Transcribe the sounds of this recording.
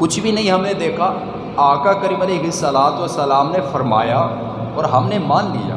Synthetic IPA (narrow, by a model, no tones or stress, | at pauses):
kʊt͡ʃʰbʱinɐɦĩɦɐmned̪eːkʰa | aːkakɐɾimɐleɦɪsːɐlaːt̪ɐsɐlaːmnefɐɾma̰ːja | ɔːɾɦɐmnemaːnlḭja̰ː